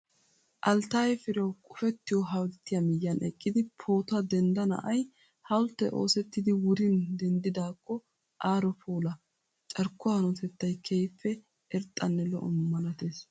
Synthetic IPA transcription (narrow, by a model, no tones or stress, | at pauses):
ʔɐlt̪aːjɛfɪɾɐwkʼʊfɛt̪ːɪjɔɦɐwlt̪ːɪjɐmɪjːɐnʔɛkʼːɪd̪ɪpʰo̞ːt̪ɐd̪ɛnd̪ɐnɐ̰ʔɐj | hɐwʊlt̪ːɛʔo̰ːsɛt̪ːɪd̪ɪwʊɾɪnd̪ɛnd̪ɪd̪aːkːɔ | ʔaːɾɔpʰoːlɐ | t͡ʃʼɐɾkːʊanɔt̪ɛt̪ːɐjkʰɛjfːɛ | ɛɾt̪ʼːɐnːɛlɔ̰ʔɔ̰mːɐlɐt̪eːs